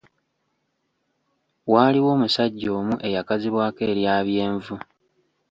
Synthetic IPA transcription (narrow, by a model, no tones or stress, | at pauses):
waːliwo̞ːmusaɟːo̞ːmuʔe̞jakaziβwaːke̞ːɾjaːβje̞ːɱvu